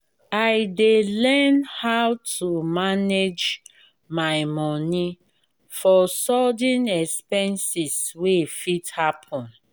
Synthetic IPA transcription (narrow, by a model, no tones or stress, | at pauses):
aɪdelɛnhawtʰumaned͡ʒ | maɪmɔni | fɔsɔdĩnɛkspɛ̃nsiswefithapʰɔ̃n